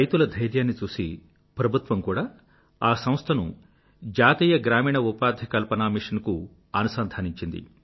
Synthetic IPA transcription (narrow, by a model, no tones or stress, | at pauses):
ɐjt̪ulɐd̪ʱɐjɾjaːnːit͡ʃuːsḭ | pɾɐbʱut̪ʋɐmkuːɽaː | aːsɐ̃m̃st̪ʰɐnu | d͡ʒaːt̪iːjɐɡɾaːmiːɳɐupaːd̪ʱjɐkɐlpɐnaːmiʂɐnku | ɐnusaːnd̪ʱaːniɲt͡ʃind̪ḭ